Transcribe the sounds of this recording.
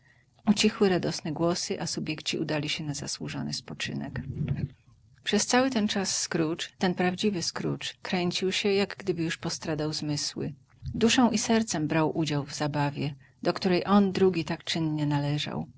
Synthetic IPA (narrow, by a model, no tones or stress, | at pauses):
ut͡ɕixwɘɾad̪ɔsnɛɡwɔsɘʔasubʲjɛkt͡ɕḭud̪alʲiɕɛnaza̰swuʐɔ̰nɘ̰spɔt͡ʂɘ̰nɛ̰k | pʂɛst̪sawɘt̪ɛnt͡ʂasːkɾut͡ʂt̪ɛnpɾavd͡ʑivɘskɾṵt͡ʂkɾɛɲt͡ɕiwɕɛjaɡɡd̪ɘbɘjuʂpɔst̪ɾad̪awzmɘswɘ̰ | d̪uʂɔ̃w̃ʔisɛɾt̪sɛmbɾawʔud͡ʑawvzabavʲjɛ | d̪ɔkt̪uɾɛjʔɔnd̪ɾuɡʲit̪akt͡ʂɘnɲɛnalɛʐa̰w